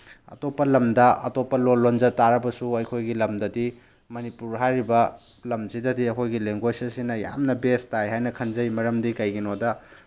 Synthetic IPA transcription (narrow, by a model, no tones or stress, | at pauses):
ɐ̰topːɐlɐmdɐɐ̰topːɐlonlonzɐtaɾɐbɐsuɐjkʰojɡilɐmdɐdi | mɐnipuɾɦajɾibɐlɐmzidɐdiɐkʰojɡileŋɡwosɐsinɐja̰mnɐbestajɦajnɐkʰɐnzɐjmɐɾɐmdikɐjɡinodɐ